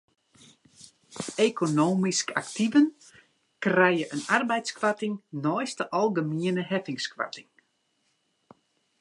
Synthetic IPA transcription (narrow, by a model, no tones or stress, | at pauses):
ekonoːmiska̰ktivən | krɛjəʔənarbɛjtskʋatɪŋnɔjstəʔɔlˠɡəmiənəɦɛfɪŋskwa̰tɪŋ